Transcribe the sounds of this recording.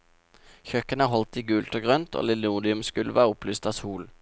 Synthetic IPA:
çœkənəɦɔlt̪iːɡʉːlt̪oːɡʁœnt̪ʰo̰ːlɪlːuːd̪ɪʉmskʉləʋɑːʊplʏst̪ɑːsuːl

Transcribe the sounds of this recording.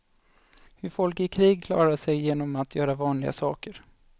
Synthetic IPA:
hɵɾfɔlkɪkʰɾiːɡ̚kʰlɑ̰ːɾaʂɛjjeːnɔmat̪ʰjœːɾavɑːnlɪɡa̰sɑ̰ːkəɾ

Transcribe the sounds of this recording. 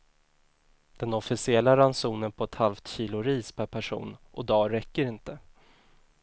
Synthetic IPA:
d̪̥ɛnɔfɪsɪɛlːaɾansuːnənpʰɔɛt̪halft̪ɕiːlʊɾiːspʰæɾpʰæʂṵːnʔɔd̪ɑːɾɛkːəɾɪnt̪ə

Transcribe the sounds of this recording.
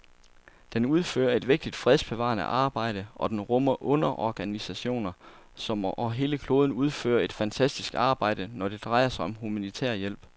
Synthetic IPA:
d̥enuð̞ˠfø̰ːɐe̝d̥ʋe̝ɡ̥̚d̥id̥fʁɛðˠsb̥e̝ʋɑ̰̈ːnə̰ʔɑ̈ːb̥ɑ̈ɪ̰ɾ̥əʔɒ̽d̥enʁɔmɐʔɔ̽nɐʔɒɡ̥ænisæɕo̝̰ːnɐ | sɒ̽mɒɦe̝ːləkʰlo̝ːð̞ˠn̩uð̞ˠfø̰ːɐe̝d̥fænt͡sʰæsd̥isɡ̥ɑ̈ːb̥ɑ̈ɪ̰d̥ənɒd̥e̝d̥ʁɑ̈ɪɐsɑ̈ɪɒ̽mhumænit͡sʰḛɐ̰jel̰b̥

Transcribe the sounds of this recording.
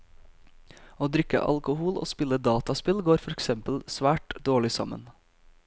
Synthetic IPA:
oːd̪ɾʏkə̰ʔɑ̰lkʊhuːlo̰ːspɪləd̪ɑːt̪ɑspɪlɡoːɾfɔɾɛksɛmpəlsʋæːʈd̪oːɭɪsɑmə̰n

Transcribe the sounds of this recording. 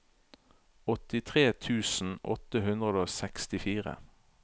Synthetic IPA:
ɔt̪ɪt̪ʰʁeːt̪ʰʉːsn̩ʔɔ̰t̪əhʉnd̪ʁəd̪oːsɛkst̪ɪfiːʁə̰

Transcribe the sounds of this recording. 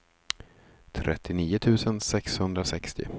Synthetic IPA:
t̪ʰɾʔɛ̰t̪ːɪniːʊt̪ʰʉ̟ːsənsɛkshɵnd̪ɾasɛkst̪ɪ̰

